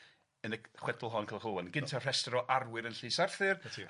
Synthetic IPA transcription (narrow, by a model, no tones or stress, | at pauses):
ənəχwɛdʊlˠɦɔnkʰəlˠχowanɡɪntʰar̥ɛstɔɾɔʔarwɪɾənɬiːsarθɨrʰ